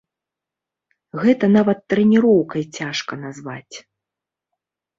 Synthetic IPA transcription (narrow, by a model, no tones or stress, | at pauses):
ɣɛt̪ɐnavɐt̪ːɾɛnʲiɾɔwkɐjt͡sʲaʂkɐnazvat͡sʲ